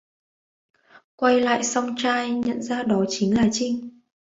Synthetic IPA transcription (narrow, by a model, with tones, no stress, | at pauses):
kwa˧jla̰ː˧˨jsa˧wŋ͡mt͡ɕaː˧jɲə̰˧˨nzaː˧ɗɔ˨˦t͡ɕï˨˦ŋlaː˨˩t͡ɕi˧ŋ